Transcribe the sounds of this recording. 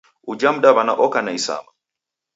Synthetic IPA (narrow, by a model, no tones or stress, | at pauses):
ud͡ʒam̩ɗaβanaʔɔkanaisa̰ma